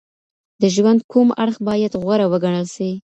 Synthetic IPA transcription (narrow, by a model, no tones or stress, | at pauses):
d̪əʒwand̪̚kʰuma̰ɽxbɑjad̪ɣwaɾawəɡaɳ̃əlʃi